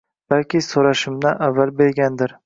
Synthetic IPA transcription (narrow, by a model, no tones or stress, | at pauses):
b̥alkʲɪsoɾaʃɪmnaʔavːalbe̞ɾɡʲand̪ɪɾ